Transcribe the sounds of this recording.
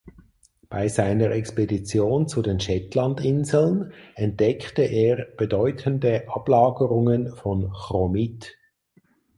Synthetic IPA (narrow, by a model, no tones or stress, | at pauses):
b̥aɪzaɪnəʁɛkspedit͡sjoːnt͡sudeːnʃɛtlandɪnzl̩nɛnt̚d̥ɛkʰtəʔeːʁb̥edɔʏtʰəndəʔɑb̥laːɡəʁʊŋənfɔnχʁɔmit